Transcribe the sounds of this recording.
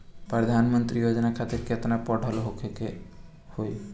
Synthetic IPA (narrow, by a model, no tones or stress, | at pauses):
pɾəd̪ʱaːnmənt̪ɾijod͡ʒnakʰat̪ɪɾket̪napɔɖʱəlɦokʰeke | hoi